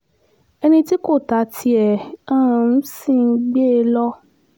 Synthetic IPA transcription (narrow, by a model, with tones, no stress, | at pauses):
ɛ˧nĩ˧ti˦ko˦˨ta˨˦tʰi˧ɛ˨ã˦ã˧˦si˦˨n̩˦ɡ͡be˦˧˦lɔ˦